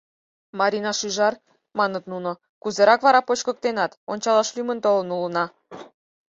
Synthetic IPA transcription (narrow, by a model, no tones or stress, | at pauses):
mɑɾʲinɑʃyʒɑr | mɑnət̪nunŏ | kuzeɾɑkβɑɾɑpot͡ɕkə̆k̚t̪enɑt̪onʲt͡ɕɑlɑʃlymənt̪olə̆nulə̆nɑ